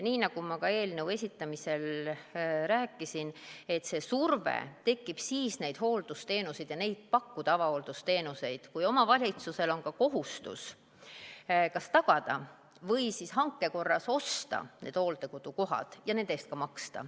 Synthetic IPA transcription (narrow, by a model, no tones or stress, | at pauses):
niːnɑɡ̥umɑkɑe̞ːlnəwe̞sʲit̪ːˑɑmise̞l | ræːkːˑisine̞t̪ːˑse̞survḛt̪e̞kːib̥siːsne̞jd̪̥ɦo̞ːld̪̥ust̪e̞ːnused̥̪jɑne̞jd̪̥̚pɑkːud̪̥ɑɑvɑoːld̪̥ust̪e̞ːnuse̞jd̪̥kujo̞mɑvɑlʲit̪suse̞lo̞nkɑko̞ɦust̪ṵs | kɑst̪ɑɡ̥ɑd̪ɑ | vɤ̞jsishɑŋkːˑe̞ko̞rːɑso̞st̪ɑ̰neːd̪̥ho̞ːlt̪e̞kud̪̥uko̞ɦɑ̰d̪̥jɑne̞nd̪eːst̪kɑmɑkst̪ɑ̰